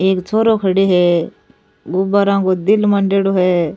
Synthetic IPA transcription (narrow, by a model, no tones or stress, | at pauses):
eːkt͡ʃʰoːɾokʰɐɽiɦɛ | ɡʊbaɾãkod̪ɪlmɐ̃ɳɖeɽoɦɛː